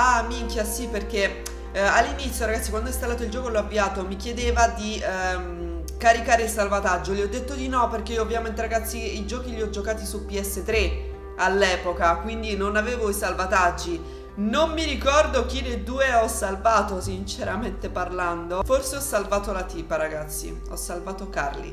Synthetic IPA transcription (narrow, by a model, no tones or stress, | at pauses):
amiŋkjasiperk̟e | alːinit̪sjoɾaɡat̪sːikwand̪ɔist̪alːaːt̪oild͡ʒɔːkolɔavːiaːt̪omik̟jed̪eːvad̪im | kaɾikaːɾeilsalvat̪ad͡ʒːoliɔd̪ːet̪ːod̪inɔperkeioːvjament̪̬eɾaɡat̪sːiid͡ʒɔːkiliɔd͡ʒokaːt̪isupiɛsːet̪ːɾe | alːɛːpokakwind̪inonaveːvoisalvat̪ad͡ʒːi | nomːiɾikɔrd̪okined̪uːeɔsːalvaːt̪osint͡ʃeɾʔament̪eparland̪oforseɔsːalvaːt̪olat̪iːpaɾaɡat̪sːḭ | ɔ̰sːalvaːt̪oka̰rlḭ